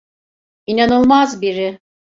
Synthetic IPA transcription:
inanɯlˠmazbiɾɪ

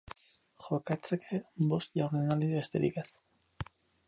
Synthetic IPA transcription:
xo̞kat͡sekʰebo̞st̪ʝawɾenald̪ieβest̪eɾḭkes

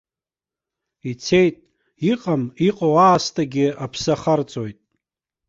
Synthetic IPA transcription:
it͡sʰe̞jtʼ | iqʼamiqʼawaːstʰaɡʲɪapʰsaχart͡sʼojtʼ

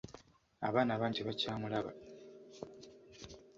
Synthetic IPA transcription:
a̰βaːnaβaːɲɟiβacaːmulaβa̰

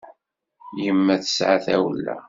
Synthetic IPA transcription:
jəmːæθə̥sʕaθæwəlːæ̰

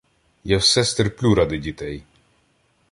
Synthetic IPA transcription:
jawsɛst̪erplʲuɾɑd̪ɪdʲit̪ɛj

